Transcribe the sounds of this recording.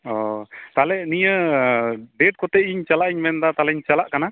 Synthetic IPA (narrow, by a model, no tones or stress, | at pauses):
ɔt̪alɛnijə | ɖɛʈ̚kɔt̪ɛiɲt͡ʃalaʔiɲmɛnd̪at̪alɛɲt͡ʃalaʔkana